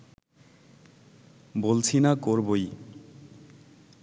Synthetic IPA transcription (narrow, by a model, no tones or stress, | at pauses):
bolt͡ɕʰinakoɾboj